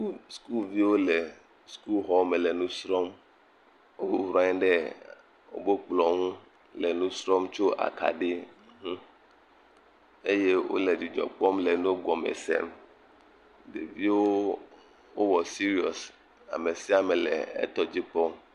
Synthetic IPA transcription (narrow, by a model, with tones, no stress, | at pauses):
u˦sku˦lvi˦wo˦le˨ | sku˦lɦɔ˦me˨lɛ˨nũ˦sɾɔ˦m | wo˦wu˨wɾa˦ɲ̃˦ɖɛ˦ | wo̰˦bo˦k͡plɔ˨ŋũ˦ | lɛ˨nũ˦sɾɔ˦mt͡ʃo˦ʔa̰˨ka̰˨ɖe˦˨˦ɦũ˦ | e˦je˦wo̰˦le˨d͡ʒi˨d͡ʒɔ̰˨k͡pɔ˦mle˨nũ˦ɡɔ˨mḛ˨sɛ̰˦m | ɖe˨vi˦wo˦ | wo˦wɔ˨si˦ɾi˦ɔ˨s | a̰˨me˨si˦a˦mɛ˨lɛ̰˨ɛ̰˦t̪ɔ˦d͡ʑi˦k͡pɔ˦m